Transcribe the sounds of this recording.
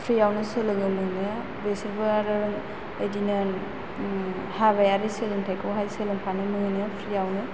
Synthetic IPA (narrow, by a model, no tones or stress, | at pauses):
pʰɾijawnɯsɯlɯŋɯmɯnɯ | besiɾbɯɾɯɾɯŋ | ejdinɯn | haβajaɾiselɯŋtʰajkʰowɦajselɯŋpʰanɯmɯŋɯjnɯpʰɾijawnɯ